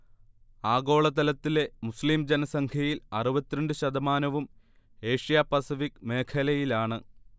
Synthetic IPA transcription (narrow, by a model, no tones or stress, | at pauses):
aːɣo̞ːɭɐt̪ɐlɐt̪ːile̞musliːmd͡ʑenɐsɐŋkʰɐjilɐruʋɐt̪ːiɾɐɳɖɨɕɐd̪ɐmaːnɐʋum | e̞ːʂijaːpɐsifikːme̞ːkʰɐlɐjilaːɳɨ